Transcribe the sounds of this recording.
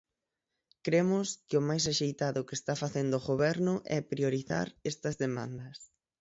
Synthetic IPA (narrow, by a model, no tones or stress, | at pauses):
kɾemʊskɪʊmajs̬aʃejt̪aðʊkɪest̪afaθend̪oʊːɣoβɛɾnʊʔɛpɾioɾiθa̰ɾɛst̪ɐzðemã̰nd̪ɐs